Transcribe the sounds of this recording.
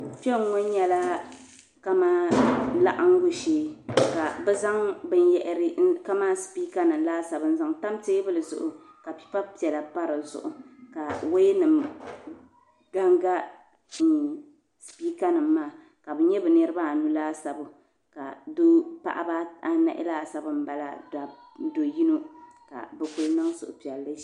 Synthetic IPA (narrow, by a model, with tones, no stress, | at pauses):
fɛ˦˨˦ŋɔ˦n˦ɲɛ˦la˦ | ka˦ma˦la̰˦ʔa˦ŋ̩˦ɡu˦ʃeː˦ka˨bɛ˦za˦ŋbɨ˦njɛ˦ʔɪ˦ɾɪ˦ka˦maː˦spi˦ka˦nɨ˨m˦laː˦sa˨bɨ˦n̩˦za˦ŋta˦mteː˦bɨ˦lɨ˨zʊ̰˨ʔʊ˨ | ka˨pi̥˦pa˦pi˨ɛ˨la˨pa˦ɾɨ˨zʊ̰˨ʔʊ˨ka˨wo˦jnɨ˨m | ɡa˦ŋɡa˦˨ | spiː˦ka˦nɨ˨mːaː˦˨ | ka˨bɨ˦ɲɛ˦bɨ˨nɛ˦ɾɨ˦ba˦˨nu˦laː˦sa˨bɨ˨ | ka˨do˦pa̰˦ʔa̰˦ba˦a˦na̰˨ʔɪ̰˦laː˦sa˦bɨ˦m̩˦ba˨la̰˨da˨˦ | do˨ji˦no˦ka̰˨bɨ˦ku˦lnɨ˦ŋsʊ˨ʔʊ̰˨pi˨ɛ˨lːɨ˦